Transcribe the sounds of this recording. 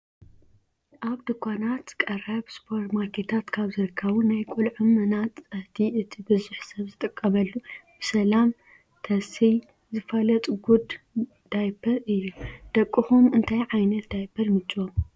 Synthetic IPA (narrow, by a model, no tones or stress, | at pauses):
ʔaβd̪ɨkʰʷːanat̪kʼɐrɐbspʰoɾt̪maɾkʰe̞t̪ʰat̪kʰaβzɨɾɨkʰːɐβunajkʷʼulʕɨmɨnat̪t͡sʼɐht̪ʰiʔɨt̪ʰibɨzuħsɐβzɨt̪ʼɨkʼːɐmɐlːub̥ɨsɐlam | t̪ʰɐsij | zɨfɐlɐt̪ʼɡud̪ | d̪̥ajbʰɐɾɨjːud̪̥ɐkʼːɨxumɨnt̪ʰajʕajnɐt̪d̪ajbʰɐɾmɨt͡ʃʼiwom